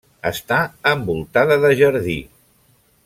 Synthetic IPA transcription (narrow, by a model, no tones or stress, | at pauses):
ə̰st̪aəmbulˠt̪aðəðəʒəɾðḭ